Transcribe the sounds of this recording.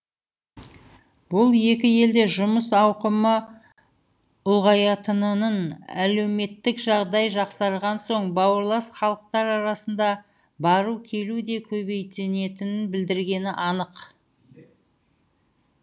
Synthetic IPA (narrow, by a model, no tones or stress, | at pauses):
bʊlˠje̞kʲɪje̞ld̪e̞ʒʊməsɑwqəmə | ʊlˠʁɑjɑt̪ənənənæle̞wme̞t̪ːɪkʒɑʁd̪ɑjʒɑqsɑɾʁɑnso̞ɴbɑwəɾlˠɑsχɑlˠəq̚t̪ɑɾɑɾɑsənd̪ɑ | bɑɾukʲʰe̞lud̪e̞kʲʰɵbe̞jt̪ɪne̞t̪ɪnɪnbɪld̪ɪɾɡʲe̞nɪʔɑnəq